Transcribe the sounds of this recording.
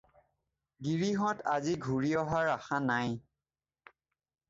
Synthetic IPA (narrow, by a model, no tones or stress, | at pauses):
ɡiɹiɦɔtʰaziɡʱuɹiɔɦaɹaxanaj